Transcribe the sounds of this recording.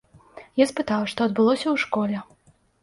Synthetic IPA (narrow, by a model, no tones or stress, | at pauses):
jaspɨt̪awʂt̪ɔɐd̪̚bɨlˠɔsʲɐwʂkɔlʲɛ